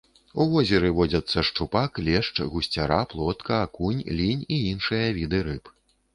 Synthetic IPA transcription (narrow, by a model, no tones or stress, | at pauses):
uvɔzʲɛɾɨvɔd͡zʲɐt̪sːɐʂt͡ʂupaklʲɛʂt͡ʂɣusʲt͡sʲaɾaplˠɔt̪kʰɐːkunʲlʲinʲiinʂɨjɐvʲid̪ɨɾɨp